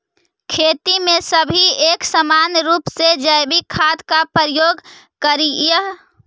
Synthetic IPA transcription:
kʰet̪imẽsəbʱieksəmanɾuːpsed͡ʒəjbikʰːad̪kapəɾjoɡ | kəɾijəɦ

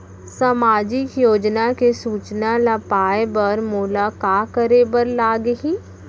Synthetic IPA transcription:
saːmaːd͡ʒɪkjoːd͡ʒnakesuːt͡ʃnalɐpaːebɐɾmʊlakaːkəɾeːbəɾlaːɡɦiː

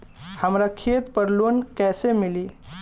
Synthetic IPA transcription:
həmɾakʰet̪pəɾlunkɛsemili

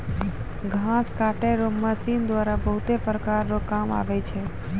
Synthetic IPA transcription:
ɡʱãskaʈeɾoməsind̪ʋaɾabəɦʊt̪epɾəkaɾnokama̰ʋet͡ʃʰe

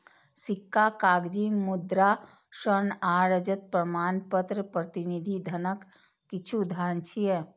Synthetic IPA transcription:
sɪkːakaːɡd͡ʒimʊd̪ɾa | ʃəɾnaːɾəd͡ʒət̪̚pɾəmaːnpət̪ɾəpɾət̪ɪnid̪ʱid̪ʱənəkː | ɪt͡ʃʰud̪ʱaːnt͡ʃʰiɛː

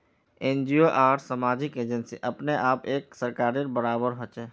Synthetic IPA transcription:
ẽːnd͡ʒioʔaːɾsəmaːd͡ʒɪkeːd͡ʒənsḭʔɐpneʔaːpeːksəɾkaːɾeɾbəɾaːbəɾɦoːt͡ʃɛː

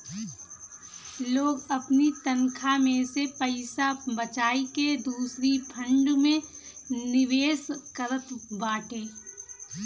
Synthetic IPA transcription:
loːɡɐpnit̪ənkʰamẽsepəɪsabət͡ʃaːiked̪uːsɾipʰə̃ɳɖmẽnɪʋeːskəɾət̪baːʈẽː

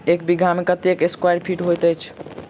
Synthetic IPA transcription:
ek̚biɡʱamekət̪ekeskwajɖpʰiʈɦojt̪əjt͡ʃʰ

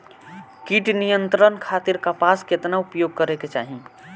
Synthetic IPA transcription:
kiʈnijənt̪ɾənkʰat̪iɾkapaːsket̪naupjoɡ̚kəɾeket͡ʃaːɦi

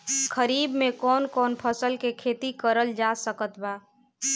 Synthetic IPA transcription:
kʰəɾiːbmẽkɔːnkɔːnpʰəsəlkekʰeːt̪ikəɾəld͡ʒasəkət̪baː

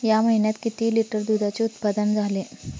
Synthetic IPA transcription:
jaməɦinjat̪kit̪iːliʈəɾd̪ud̪ʱat͡seut̪pad̪ənd͡zʱale

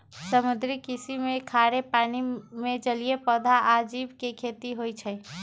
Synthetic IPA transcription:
səmud̪ɾikisimekʰaɾepanimed͡ʒəlijepəd̪ʱaʔːd͡ʒibkekʰet̪iɦojt͡ʃʰəj

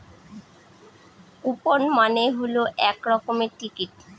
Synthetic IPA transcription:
uponmaneɦoloʔɛkɾɔkomeɾʈikiʈ

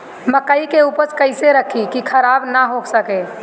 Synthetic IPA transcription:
məkəikeupəɾt͡ʃkəɪseɾəkʰikikʰəɾabnaɦoksəke

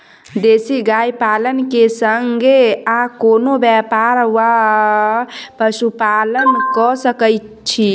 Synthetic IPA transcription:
d̪esiɡajpalənkesəŋɡeakonobjɛpaɾwa | pəsupalənkɔsəkəɪt̪ | t͡ʃʰi

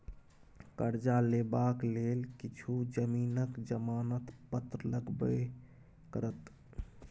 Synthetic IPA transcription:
kəɾd͡ʒalebaklelkit͡ʃʰud͡ʒəmiːnəkd͡ʒəmanət̪pət̪ɾələɡbə | kəɾət̪

